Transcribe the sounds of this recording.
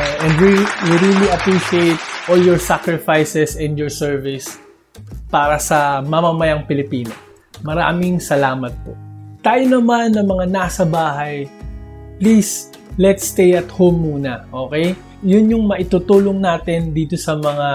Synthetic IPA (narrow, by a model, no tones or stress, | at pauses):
ʔɛ̃nd̪wiwiɾiliɐpɹiʃiejt̪̚ʔoljɔɹsakɹɪfajsɛsɛ̃nd̪jɔɹsɛɹvɪs | paːɾɐsɐmɐmɐmɐjaŋpɪlɪpiːno | mɐɾa̰ːmɪŋsɐlaːmɐt̪̚po̞̰t̪aːjonɐmanːɐmɐŋanasɐbaːɦɐj | plis | lɛt̪st̪ejɐt̪howmːuːnɐʔo̞ːkɛj | jʊnjʊŋmɐʔɪt̪ut̪uːloŋnaːt̪ɪnd̪iːt̪osɐmɐŋa